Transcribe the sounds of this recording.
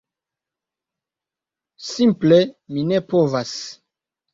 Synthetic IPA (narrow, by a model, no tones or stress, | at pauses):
simpleminepovas